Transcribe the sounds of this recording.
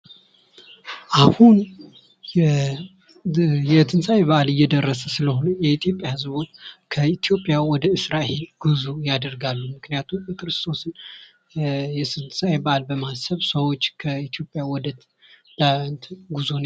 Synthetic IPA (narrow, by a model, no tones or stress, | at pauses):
ʔahun | jɛt̪ʰɨnsajβaʔalɨjːɛd̪ərːəsəsɨləɦo̞nəjɛit̪ʰjo̞pʼːjahɨzbo̞t͡ʃːkʰəit̪ijo̞pʼːjawɔd̪əɨsɾahe̞lɡ̥uzujad̪əɾɡalːumɨknijat̪ʰumbəkʰɾɨst̪ʰʼo̞sɨn | jɛsɨnsajbaʔalbəmasəβsəwo̞t͡ʃːkʰəit̪ʰjo̞pʼjawɔd̪ət̪ | d̪̥ant̪ɡuzon